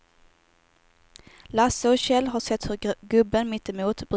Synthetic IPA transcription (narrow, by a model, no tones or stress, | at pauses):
lasːəɔɕɛlːɦaʂɛt̪ːhɵɾɡɵbːənmɪt̪ːɪmuːt̪b̥ɾ